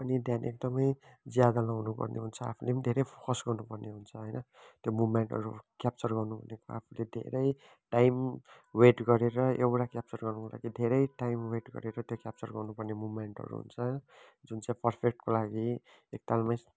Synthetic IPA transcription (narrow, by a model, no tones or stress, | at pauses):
ʌnid̪ʱjanek̚d̪ʌmʌjd͡zjad̪alawnupʌ̰rnḛɦunt͡sʰʌa̰pʰuled̪ʱeɾʌjpʰo̥kʌsɡʌrnupʌrneɦunt͡sʰʌɦʌjnʌ | t̪jomumeɳʈʌ̰ɾukjap̚t͡sʌrɡʌrnupʌnekoapʰuled̪ʱḛɾʌj | ʈajmweʈɡʌɾeɾʌewʈakjap̚t͡sʌrɡʌrnukolʔa̰ɡid̪ʱeɾʌjʈajmweʈɡʌ̰ɾeɾʌt̪jokjap̚t͡sʌrɡʌrnupʌrnemumeɳʈʌ̰ɾṵɦṵnt͡sʰʌd͡zunt͡sãĩpʌrpʰek̚ʈkolaɡi | ek̚t̪almaj